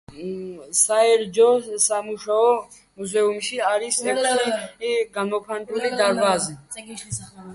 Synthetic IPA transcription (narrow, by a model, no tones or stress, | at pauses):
saɛɾd͡ʒɔsamuʃaɔ | muzɛumʃiaɾisnɛkʰiɡamɔkʰant̪ʼulid̪aɾvazɛ